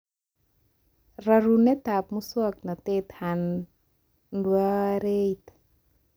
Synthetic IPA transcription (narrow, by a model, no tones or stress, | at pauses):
raɾunet̪ap̚musuaknat̪et̪han | nduaɾejt̪